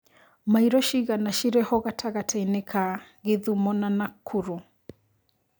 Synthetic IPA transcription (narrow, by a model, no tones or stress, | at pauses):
maiɾɔʃiɣanaʃiɾɛhɔɣatʰaɣatʰajnɪkʰaɣɪðumɔnanakʰːuɾu